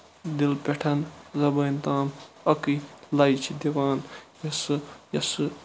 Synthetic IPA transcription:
d̪ilpʲeʈʰɐnzɐbɐjnt̪aːm | ɐkilɐjt͡ʃʰid̪iʋaːnjɐsɨjɐsɨ

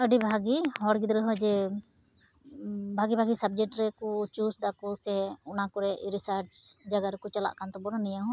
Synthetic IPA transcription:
əɖibʱaɡihɔɽɡid̪ɾɛɦɔd͡ʒɛ | bʱaɡibʱaɡisab̚d͡ʒɛk̚ʈɾɛkɔt͡ʃusd̪akɔsɛɔnakɔɾɛʔiɾisaɾt͡ʃd͡ʒaɡaɾɛkɔt͡ʃala̰ʔkant̪ɔbɔɽanijaɦ

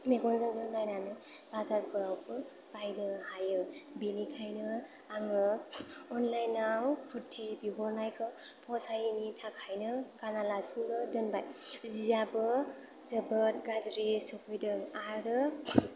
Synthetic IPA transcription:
meɡɔnzɯŋdɯnlajnanɯb̥azaɾkʰɯɾawpʰɯ | b̥ajnɯhajɯbinikʰajnɯ | aŋɯɔnlajnawkʰutʰːibiɦɔɾnajkʰɯwpʰɔsajinitʰakʰajnɯɡ̥analasinɡɯdɯnbajzijabɯ | zəbət̚ɡazɾisɔpʰɯjdɯŋaɾɯ

